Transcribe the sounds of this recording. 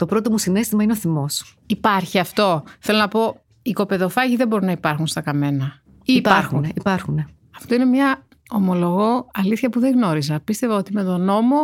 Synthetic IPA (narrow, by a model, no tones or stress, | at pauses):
t̪o̞pɾo̞t̪o̞musine̞st̪imɐineoθimo̞s | ipɐɾçiɐft̪o̞θelo̞nɐpo̞ | iko̞pe̞ðo̞fɐʝiðe̞bo̞ɾinɐipɐɾxunst̪ɐkɐme̞nɐ | ipɐɾxunipɐɾxune | ɐft̪o̞ine̞mɲɐ | omo̞lo̞ɣo̞ɐliθçɐpuðe̞ɣno̞ɾizɐpist̪e̞vɐo̞t̪ime̞t̪o̞no̞mo̞